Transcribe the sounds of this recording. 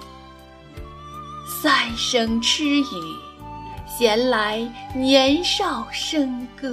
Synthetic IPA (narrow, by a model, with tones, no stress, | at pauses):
sa˥˩ɪʂɤ˥ŋʈ͡ʂʰɻ̩˥i˨˩˦ | ɕjɛ˧˥nla˧˥ɪnjɛ˧˥nʂɑ˥˩ʊʂɤ˥ŋkɤ˥˩